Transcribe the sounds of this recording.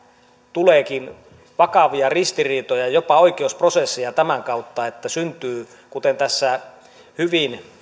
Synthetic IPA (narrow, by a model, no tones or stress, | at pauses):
t̪uleːkin | ʋɑkɑʋiɑrist̪iriːt̪ojɑjopɑoikeusprosesːijɑt̪æmæŋkɑut̪ːɑet̪ːæsynt̪yː | kut̪ent̪æsːæ | hyʋin